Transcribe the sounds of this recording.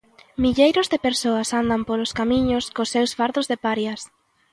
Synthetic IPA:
miʎejɾʊzðepeɾsoasand̪ampoloskamĩɲoskosːewsfaɾðozðepaɾjas

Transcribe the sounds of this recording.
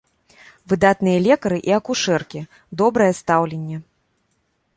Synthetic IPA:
vɨd̪at̪̚nɨjɐlʲɛkɐɾɨʔiɐkuʂɛrkʲi | d̪ɔbɾɐjɛst̪awlʲenʲːɛ

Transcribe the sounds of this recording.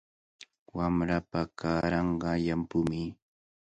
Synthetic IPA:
wamɾapakaːɾɑɴɢɑjampʊmɪ

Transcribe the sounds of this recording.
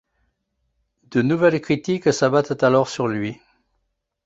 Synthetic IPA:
d̪̥ənuvɛlkχit̪iksabat̪t̪alɔʁsyʁlɥi

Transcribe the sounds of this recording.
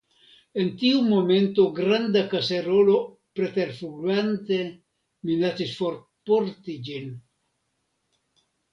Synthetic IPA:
ent̪iumoment̪oɡɾand̪akaseɾoːlo | pɾet̪eɾfuɡwant̪e | minat̪isfɔɾ | pɔɾt̪id͡ʒin

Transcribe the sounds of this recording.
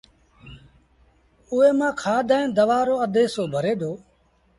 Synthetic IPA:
ʊːeːmãːkʰaːɗ̪aːẽnd̪əʋaːɾoːəd̪eːsoːbʱəɾeːd̪ʱoː

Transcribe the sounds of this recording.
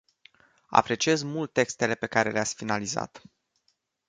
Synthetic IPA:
a̰pɾe̞t͡ʃie̞zmult̪̚ːe̞kst̪e̞le̞pe̞kaɾe̞leat̪sʲfinaliza̰t̪

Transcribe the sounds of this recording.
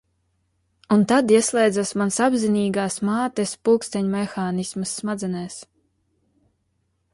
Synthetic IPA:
unt̪ad̪iɛslˠɛjd̪zasmansabziniːɡaːsmaːt̪ɛspulˠkst̪ɛɲmɛxaːnismɨsːmad̪zɛnɛːs

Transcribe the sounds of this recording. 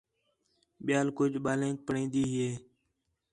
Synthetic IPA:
ɓɪjaːlkʊd͡ʒɓaːlẽːk̚pəɳĩːnd̪iːɦeː

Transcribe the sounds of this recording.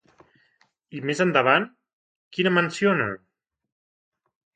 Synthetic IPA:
imezənd̪əβan | kinəmənsionə̰

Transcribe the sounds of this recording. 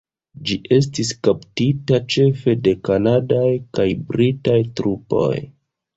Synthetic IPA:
d͡ʒiʔe̞s̬tiskaptitat͡ʃe̞fe̞de̞kanadajkajbɾitajtɾupo̞̰j

